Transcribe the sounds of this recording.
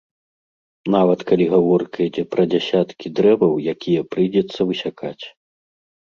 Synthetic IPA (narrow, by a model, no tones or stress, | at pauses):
navɐt̪kalʲiɣavɔrkɐid͡zʲɛpɾɐd͡zʲasʲat̪kʲid̪ɾɛvɐwjakʲʰijɐpɾɨjd͡zʲɛt̪sːɐvɨsʲakʰat͡sʲ